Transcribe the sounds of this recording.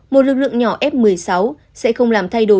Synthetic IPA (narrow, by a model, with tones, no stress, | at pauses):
mo˨˩t̚lɨ˨˩k̚lɨ̰˧˨əŋɲɔ˧˩ʔɛ˦˥p̚mɨ˨˩əjsa˨˦w | sɛ̰˧˥xə˧wŋ͡mlaː˨˩mt̪ʰa˧jɗo˧˩